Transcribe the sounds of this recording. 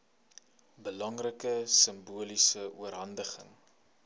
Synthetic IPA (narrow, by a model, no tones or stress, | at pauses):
bəlɐŋrəkəsəmbuəlisəuəɾɦɐndəχə̰ŋ